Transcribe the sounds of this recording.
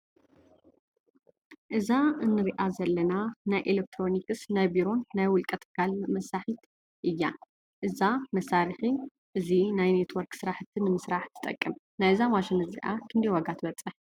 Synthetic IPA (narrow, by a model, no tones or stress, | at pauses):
ʔɨzaɨnːɨɾiʔazɐlːɐnanajʔelek̚t̪ʰɾo̞nikɨsnajbiɾo̞nːajwʊlkʼɐt̪ʰkʰalmɐsaħit̪ | ʔɨjːa | ʔɨzamɐsːaɾixi | ʔɨzinajne̞t̪ʰwɔɾksɨɾaħt̪ʰɨnɨmɨsɾaħt̪ʰɨ̥t̪ʼɐ̰kʼːɨm | najɨzamaʃɪnɨzḭʔa̰kʰɨnd̪ɐjwaɡat̪ʰɨbɐt͡sʼɐħ